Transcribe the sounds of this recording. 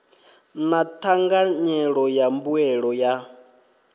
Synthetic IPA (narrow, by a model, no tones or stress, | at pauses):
natʰaŋɡaɲɛɺɔjambuɛɺɔja